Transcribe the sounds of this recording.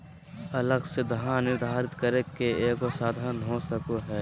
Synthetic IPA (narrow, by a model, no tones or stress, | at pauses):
ɐləɡsed̪əɦãnɪɾd̪ʱaːɾɪt̪kəɾeːkeeːkosaːd̪ʱaːnɦosəkoɦɛː